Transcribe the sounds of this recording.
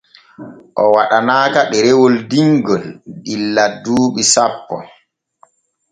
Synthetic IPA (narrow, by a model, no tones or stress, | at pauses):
ʔɔwaɗanaːkaɗɛɾɛwɔldiŋɡɔlɗilːadːuːɓisapːɔ̰